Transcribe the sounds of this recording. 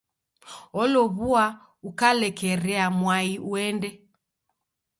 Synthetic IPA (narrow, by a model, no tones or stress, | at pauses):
ɔlɔβua | ukalɛkɛɾɛamwaiuɛndɛ